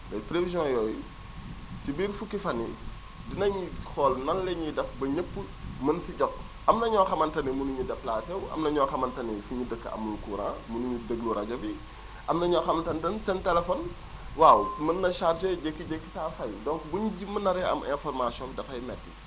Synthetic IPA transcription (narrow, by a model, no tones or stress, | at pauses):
bɐjpɾevizjɔ̃jɔːju | sibiːɾfukːifɐnːḭ | dinɐɲixɔlnɐnlɛɲidɐfbɐɲəpːə | mɐnsiɟɔk̚ | ʔɐmnɐɲɔːxɐmɐntɐnimunuɲudɐplaːsɛwɐ̰mnɐɲɔːxɐmɐntɐnɛfuɲudəkːɐɐ̰mlukuːɾã̰munuɲudəɡluɾɐɟɐbi | ʔɐmnɐɲɔːxɐmɐntɐntɐnsɛntɛlɛfɔn | waːwmɐnːɐʃarʃeɟekːiɟekːi̥safɐjdɔ̃ŋkbuɲɟimːɐnːɐɾɛɐ̰mʔɛ̰̃nfɔrmasjɔ̃ndɐfɐjmɛtːi